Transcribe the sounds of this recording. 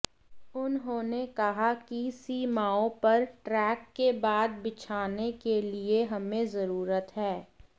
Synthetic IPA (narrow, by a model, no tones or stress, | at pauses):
ʊnɦõːnekɐɦakisiːmaːõpɐɾʈɾɛːkːebaːd̪̚bɪt͡ʃʰaːnekelieɦɐmẽzɐɾuːɾət̪ɦɛː